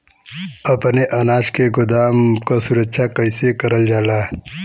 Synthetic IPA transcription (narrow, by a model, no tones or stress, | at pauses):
ɐpneʔɐnaːʃkeɡʊd̪aːmkasuɾət͡ʃʰakɐisekɐɾəld͡ʒaːlaː